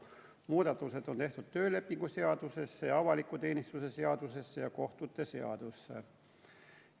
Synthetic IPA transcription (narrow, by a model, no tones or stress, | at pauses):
muːd̪ɑt̪ːˑuse̞d̪o̞nt̪e̞ht̪ud̪̥t̪ø̞ːle̞pːiŋɡ̥use̞ɑd̪̥use̞sːejɑɑvɑlikːˑut̪e̞ːnist̪use̞se̞ɑd̪̥use̞sːejɑko̞ht̪ut̪ːe̞seɑ̰d̪̥usːḛ